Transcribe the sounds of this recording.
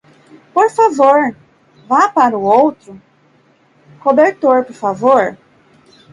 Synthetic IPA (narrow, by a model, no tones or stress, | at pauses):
poɾfavoɾ | vapaɾʊowt̪ɾʊ | hobeɾt̪oɾpoɾfavoɾ